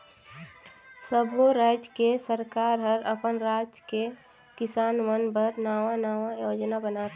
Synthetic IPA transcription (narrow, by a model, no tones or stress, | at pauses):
səbʱoɾaːd͡ʒkesəɾkaːɾɦəɾəpənɾaːd͡ʒke | kɪsaːnmənbəɾnaːʋanaːʋãjod͡ʒnabənat̪